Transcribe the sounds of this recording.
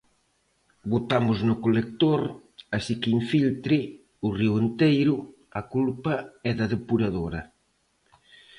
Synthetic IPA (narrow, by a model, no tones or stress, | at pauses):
bot̪amʊznʊkolek̚t̪oɾasikɪiɱfilt̪ɾɪ | ʊriʊent̪ejɾʊ | ɐkulpɐɛðɐðepuɾaðoɾɐ